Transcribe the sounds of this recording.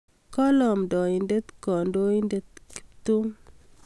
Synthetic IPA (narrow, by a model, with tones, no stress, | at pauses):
kɔ˦lɔ˨mdɔ˨i˨nde˦t̪kɔ˨ndo˦i˦nde˦t̪̚ki̥˦˨pt̪u˦